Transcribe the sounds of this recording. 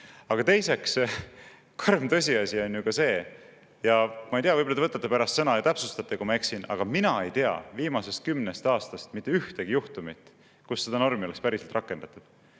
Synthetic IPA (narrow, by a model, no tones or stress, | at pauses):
ɑɡ̥ɑt̪e̞jse̞ks | kʰormt̪ɤ̞s̬ʲiɑsʲio̞nʲjukɑse̞ː | jɑmɑejt̪eɑvɤjbolːɑt̪evɤt̪ːɑt̪ːˑepæɾɑst̪sɤnɑjɑt̪æpsust̪ɑt̪ːˑekumɑeksinɑ̰ɡ̥ɑminɑe̞jt̪e̞ɑ̰viːmɑse̞st̪̚kymnest̪ɑːst̪ɑst̪mit̪ːˑe̞yht̪eɡ̥ijuht̪umit̪ːˑ | kusːe̞d̪̥ɑno̞rmiolespæɾise̞lt̪rɑkːˑe̞nd̪̥ɑt̪ːˑud̥